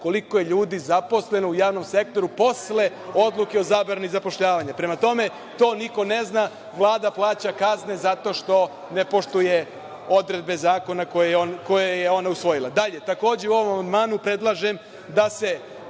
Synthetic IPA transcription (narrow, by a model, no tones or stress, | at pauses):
ko̞likojeʎuːd̪izapo̞sle̞noujaːʋno̞mse̞k̚t̪o̞ɾupo̞sle̞ | o̞d̪lˠukeo̞zaːbɾanizapo̞ʃʎaːʋaɲapɾe̞mat̪o̞me̞ | t̪o̞ːniko̞ne̞zna | ʋlˠaːd̪aplˠaːt͡ɕakazne̞zat̪o̞ʃt̪o̞ | ne̞po̞ʃt̪uje̞ | o̞d̪ɾe̞d̪̚be̞zaːko̞nakojeonko̞jejeo̞nausʋo̞jila̰d̪aʎet̪ako̞ːd͡ʑeuo̞ʋo̞mamand̪maːnupɾe̞d̪lˠaʒem | d̪ase̞